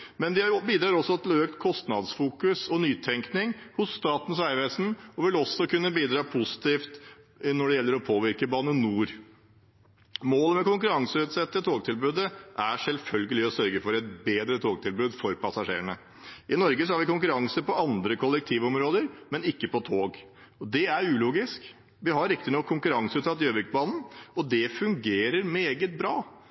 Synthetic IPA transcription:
mɛnd̪ɪbiːd̪ɾɑːɾɔsːɔɛt̪løːkt̪kʰɔst̪nɑd̪sfuːkʉsɔnyːt̪ʰɛŋknɪŋhʊsst̪ɑːt̪n̩sæɪʋeːsn̩ɔʋɪlɔsːɔkʉnːəbiːd̪ɾɑːpʰusɪ̥t̪ʰiːft̪ | nɔɖɛjɛlːəɾɔpʰoːʋɪɾkəbɑːnənuːɾ | moːlmɛkʊŋkʉɾɑŋsəʉːt̪sɛt̪ːət̪ʰoːɡ̚t̪ʰɪlbʉːd̪əʔæʂɛlfœlɡəlɪɔsœɾɡəfɔɾɛt̪beːd̪ɾət̪ʰoːɡ̚t̪ɪlbʉːd̪fɔɾpʰɑsɑʂḛːəɳə | ʔɪnɔɾɡəsɔhɑɾʋɪkʊŋkʉɾɑŋsəpɔɑnd̪ɾəkʰɔlːɛk̚t̪ʰiːʋɔmɾoːd̪əɾmɛnɪkːəpɔt̪ʰoːɡ | ɔd̪ɛæɾʉːluːɡɪsk | ʋɪɦɑɾɪk̚t̪ɪnɔkʰːʊŋkʉɾɑŋsəʉːt̪sɑt̪ːɪøːʋɪkbɑːnn̩ɔd̪ɛfʉŋɡeːɾəɾmeːɡət̪̚bɾɑː

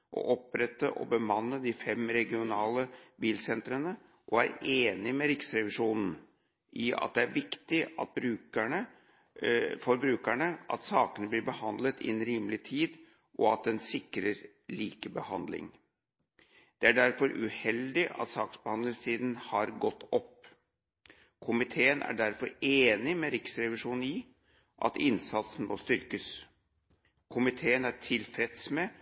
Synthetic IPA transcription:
ʔɔ̰ʔɔpɾɛt̪ːə̰ʔɔ̰bəmɑnːəd̪ɪfɛmɾɛɡɪʊnɑːləbiːlsɛnt̪ɾənə | ʔɔæɾeːnɪmɛɾɪksɾɛʋɪʂuːnn̩ | ʔɪɑ̰t̪̚d̪ɛæɾʋɪkt̪ɪɑt̪̚bɾʉːkæɳə | fɔɾbɾʉːkæɳəʔɑ̰t̪sɑːkənəblɪɾbəhɑnd̪lət̪ɪ̰ɛnɾiːmlɪt̪ʰiːd̪ | ʔɔɑt̪̚d̪ɛnsɪkɾəɾ | liːkəbəhɑnd̪lɪ̰ŋ | d̪̥ɛæɖæɾfɔɾʉ̰hɛld̪ɪʔɑ̰t̪sɑːksb̥əhɑnd̪lɪŋst̪ʰiːd̪n̩hɑɾɡɔt̪ːɔpː | kʰʊmɪt̪ʰeːənʔæ̰ɖæɾfɔɾeːnɪmɛɾɪksɾɛʋɪʂuːn̩i | ʔɑ̰t̪ɪnsɑt̪sn̩mʔost̪ʏɾkəs | kʰʊmɪt̪ʰeːənæʈʰɪlfɾɛt̪smɛ

